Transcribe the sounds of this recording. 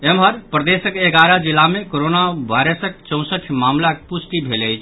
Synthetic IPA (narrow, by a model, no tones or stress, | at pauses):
emɦəɾpɾəd̪esəkeɡaɾad͡ʒilːamekoɾonaʋajɾəsək̚t͡ʃə̃w̃səʈʰmamlakepusʈibʱeləjt͡ʃʰ